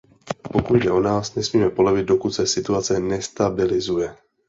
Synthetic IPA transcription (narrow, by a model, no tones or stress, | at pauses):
po̞kud̪dɛʔo̞naːsnɛsmiːmɛpo̞lovɪd̪̚do̞kut̪sɛsɪt̪uat͡sɛnɛst̪abɪlɪzujɛ